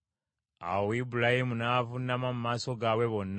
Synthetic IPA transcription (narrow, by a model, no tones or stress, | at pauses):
a̰wibulahimunavunamamumaːso̞ɡawe̞βo̞n